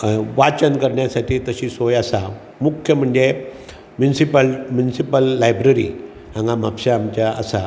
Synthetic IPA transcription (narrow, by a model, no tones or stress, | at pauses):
ʋat͡ɕənkəɾɳjasaʈʰiːt̪əɕisojasa | mukʰjəm̤əɳd͡ʑe | mjunsipəlmjunisipəlːajbɾəɾḭ | ãŋɡamapɕaːmt͡ɕaʔːsa